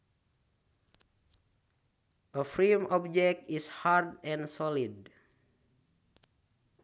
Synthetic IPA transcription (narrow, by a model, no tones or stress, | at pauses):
ʔəfɹemɔb̚d͡ʒɛk̚tishardɛ̃nsɔlid